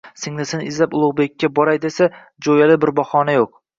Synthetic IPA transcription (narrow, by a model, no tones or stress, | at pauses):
sɪŋnɪsenɪɪzlapʊlˠʊʁbekʲːabɒɾajd̪esa | d͡ʒojalɪbɪɾbɒχɒnajoq̚